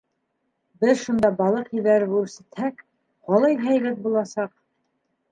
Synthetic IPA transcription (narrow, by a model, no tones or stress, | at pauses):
bɘðʃund̪ɑbɑlˠɤqilæɾɘbʉɾsæt̪hæk | qɑlˠɑjɦæjlæp̪̚bulˠɑsɑq